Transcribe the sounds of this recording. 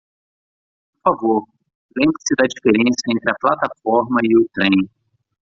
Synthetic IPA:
poɾfavoɾ | lẽmbɾɐsɪd̪ɐd͡ʒifeɾẽsɐẽnt̪ɾɪɐplat̪afɔɾmɐɪʊt̪ɾẽj̃

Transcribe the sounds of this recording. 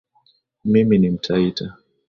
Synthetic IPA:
miminim̩tʰaita

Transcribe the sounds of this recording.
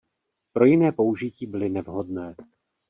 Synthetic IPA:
pɾo̞jɪnɛːpo̞uʒɪciːbɪlɪnɛvɦo̞dnɛː

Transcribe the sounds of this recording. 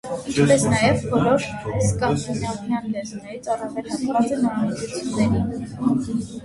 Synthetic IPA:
int͡ʃʰpɛsnɑjɛvbɔlɔɾskɑsʰunjɑmjɑnlɛznɛɾit͡sʰɑrɑvɛlɑnvɑt͡sɛnəɑmit͡sut͡sʰjunːɛɾi

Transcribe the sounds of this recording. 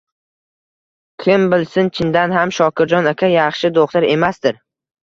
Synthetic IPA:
kʲʰɪmbɪlsɪnt͡ʃʰɪnd̪anɦamʃɒkʲɪɾd͡ʒɒnakʲʰajɑχʃɪd̪oχt̪ʰaɾe̞masd̪ɪɾ

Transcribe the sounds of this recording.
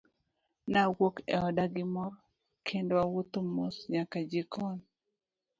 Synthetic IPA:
nawokɛ̰ɔdaɡɪmɔɾɔ | kʰendowawut̪omʊsɲakad͡ʒɪkɔn

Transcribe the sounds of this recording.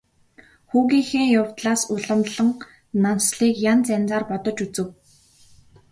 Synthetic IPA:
xuːɣiːxeːŋjʊw̥t̪ɮaːsʊɮə̆mɮə̆ŋ | nansɮiːkjant͡sænt͡saːrpɔt̪ɞ̆t͡ɕut͡sɘ̆w

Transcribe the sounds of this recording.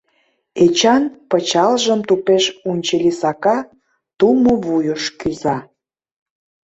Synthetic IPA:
et͡ɕɑnpət͡ɕɑlʒəmt̪upeʃunʲt͡ɕelʲisɑkɑ | t̪umoβujəʃkyzɑ

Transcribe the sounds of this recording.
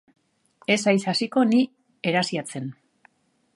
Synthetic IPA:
e̞sajsasiko̞ni | e̞ɾasiat͡se̞n

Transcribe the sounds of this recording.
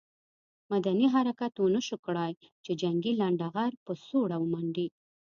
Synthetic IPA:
mad̪aniɦaɾakat̪onəʃukɽaj | t͡ʃed͡ʒaŋɡilaɳɖaɣaɾpəsoɽawəmaɳɖi

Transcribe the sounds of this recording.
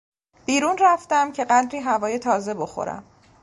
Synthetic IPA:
b̥iːɾuːnræft̪æmcʰe̞ɢæd̪ɾiːɦævɒːje̞t̪ʰɒːze̞bo̞xo̰ɾæ̰m

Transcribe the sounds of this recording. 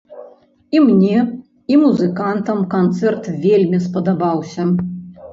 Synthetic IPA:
imnʲɛ | imuzɨkant̪ɐmkant̪sɛrt̪vʲelʲmʲispɐd̪abawsʲɐ

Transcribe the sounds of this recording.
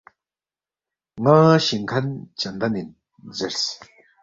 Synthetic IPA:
ŋaɕiŋkʰant͡ɕand̪anin | zərs

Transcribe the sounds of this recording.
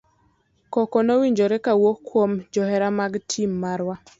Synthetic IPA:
kɔkɔnowiɲd͡ʒoɾekawokːwomd͡ʒɔhɛɾamaɡtʰimːaɾwa

